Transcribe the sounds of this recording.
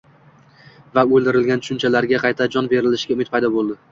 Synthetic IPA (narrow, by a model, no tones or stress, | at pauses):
vaolˠd̪ɪɾɪlɡʲant̪ʊʃʊnt͡ʃʰalaɾɡʲaqʰɑjt̪ʰad͡ʒɒnbe̞ɾɪlɪʃɡʲaʊmɪt̪̚pʰɑjd̪ɒbolˠd̪ɪ